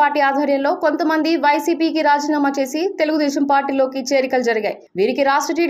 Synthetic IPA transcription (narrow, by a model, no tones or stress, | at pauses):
aːɾʈiːaːd̪ʱʋɐɾjɐnlo̞ːko̞nt̪ɐmɐnd̪iʋɐjsiːpiːkiɾaːd͡ʒiːnaːmɐt͡ʃe̞ːsit̪e̞luɡud̪ɛːʃɐmpaːɾʈiːlo̞ːkit͡ʃeːɾikɐld͡ʒɐɾɐɡa̰ːjiʋiːɾikiɾaːʂʈɾɐʈiː